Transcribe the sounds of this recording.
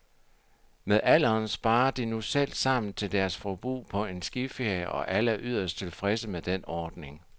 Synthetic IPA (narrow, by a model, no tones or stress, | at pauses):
meðˠʔæl̰ɐːnsb̥ɑ̈ːɐd̥inusel̰̥sɑ̈m̰n̩t͡sʰe̝ld̥æɐsfɒb̥ʁṵːpʰɒ̽e̝nsɡ̥ife̝ɐ̰jəʔɒ̽ʔæləʔyð̞̰ˠɐsd̥t͡sʰe̝lfʁɛsəmed̥enɒːd̥ne̝ŋ